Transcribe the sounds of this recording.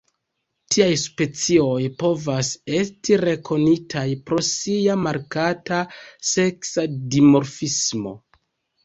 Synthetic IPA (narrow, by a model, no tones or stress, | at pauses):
tʰiajspe̞t͡sio̞jpo̞vase̞stiɾe̞kʰo̞nitʰajpɾo̞siamaɾkatase̞ksadimo̞ɾfismo̞̰